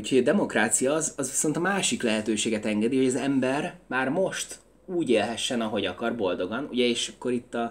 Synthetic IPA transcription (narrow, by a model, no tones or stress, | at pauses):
uchoɟɒd̪ɛmo̞kraːt̪sijɒːzɒzʋiso̞nt̪ɒmaːʃiklɛɦɛt̪øːʃeːɡɛt̪ɛŋɡɛd̪iho̞ɟɒzɛmbɛrmaːrmo̞ʃt̪ | uːɟeːlɦɛʃːɛnɒɦo̞ɟɒkɒrbo̞ld̪o̞ɡɒnṵɟɛeːʃɒkːo̞ɾit̪ːɒ